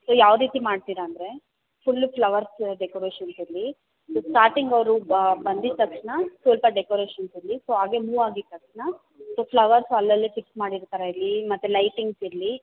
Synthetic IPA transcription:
soːjaːʋɾiːt̪imaːɖt̪iːɾaːnd̪ɾe̞ | fʰulːpʰlɐʋɐɾsɖekoɾeːʃɐnsiɾli | soːsʈaːɾʈiŋɡɐʋɾubɐnd̪iɾt̪ɐkʂnɐsɐlpɐɖekoɾeːʃɐnsiɾlisoːɦaːɡe̞muːʋaːɡiɾt̪ɐkʂnɐ | soːpʰlɐʋɐɾsɐlːɐlːefiksmaːɽiɾt̪ɐɾɐiɾlːimɐt̪ːulɐjʈiŋɡsiɾli

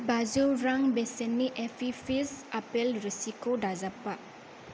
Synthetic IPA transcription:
bazuɾaŋbesɛnːiʔɛfʰifisapɛlɾisikodazapaʔ

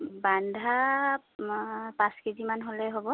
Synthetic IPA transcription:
bandʱa | pãskezimanɦolɛɦobɔ

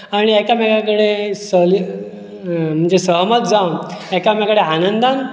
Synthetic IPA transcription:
aɽ̃iɛkamakakəɽesəl | m̤əɳd͡zesəɦmət̪̚d͡zawnɛkjamjakəɽeanənd̪an

